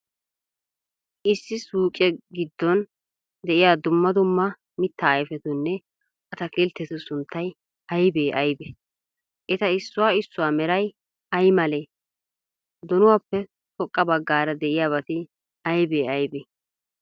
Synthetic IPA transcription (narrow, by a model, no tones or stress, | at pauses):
ʔɪsːɪsuːkʼɛɡɪd̪ːɔn | d̪ɛʔɪjaːd̪ʊmːɐd̪ʊmːɐ | mɪt̪ːaːjfɛt̪ʊnːɛ | ʔɐt̪ɐkɪlt̪ːɛt̪ʊsʊnt̪ʰːɐj | ɐjbeːʔɐjbe | ʔɛt̪ɐɪsːʊwaːɪsːʊwaːmɛɾɐj | ɐjmɐleː | d̪ɔnʊwaːpːɛ | tɔkʼːɐbɐɡːaːɾɐd̪ɛʔɪjaːβɐt̪ɪ | ɐjbeːʔɐjbeː